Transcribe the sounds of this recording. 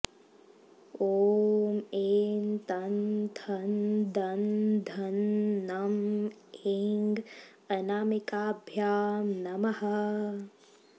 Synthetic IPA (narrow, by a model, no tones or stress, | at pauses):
oːmeːnt̪ɐnd̪ʱʰɐnd̪ʱɐnd̪ʱɐnːɐmeŋɡ | ɐnaːmikaːbʱjaːmnɐmɐhɐ